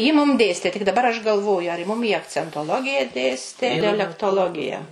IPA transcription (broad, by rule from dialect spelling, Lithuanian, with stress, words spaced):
jɪ mʊm ˈdʲeːsʲtʲeː tʲɪk dɐˈbɐr ɐʃ ɡɐlˠˈʋoːjʊ ɐr jɪ ˈmʊm iː ɐkt͡sʲɛntoːˈlˠoːɡʲɪjɛ ˈdʲeːsʲtʲeː dʲɛlʲɛktoːˈlˠoːɡʲɪjɛ